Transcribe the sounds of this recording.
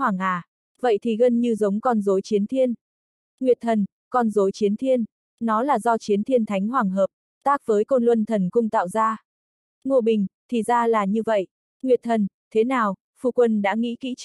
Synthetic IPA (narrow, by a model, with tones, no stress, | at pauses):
hwaː˨˩ŋʔaː˨˩ | və̰˧˨jt̪ʰi˨˩ɣə˧nɲɨ˧zə˨˦wŋ͡mkɔ˧nzo˨˦jt͡ɕi˨˦ənt̪ʰi˧ən | ŋwi˨˩ət̚t̪ʰə˨˩n | kɔ˧nzo˨˦jt͡ɕi˨˦ənt̪ʰi˧ənː | ɔ˨˦laː˨˩zɔ˧t͡ɕi˨˦ənt̪ʰi˧ənt̪ʰa˨˦jŋ̟ɦwaː˨˩ŋɦəː˨˩p̚ | t̪aː˦˥k̚vəː˨˦jko˧nlwə˧nt̪ʰə˨˩nkʊ˧ŋ͡mt̪a̰ː˧˨wzaː˧ | ŋu˧˩əɓï˨˩ŋ̟t̪ʰi˨˩zaː˧laː˨˩ɲɨ˧və̰˧˨jʔ | ŋwi˨˩ət̚t̪ʰə˨˩nt̪ʰe˨˦naː˨˩w | fṵ˧˩kwə˧nɗa̰ː˧˥ŋḭ˧˥kḭ˧˥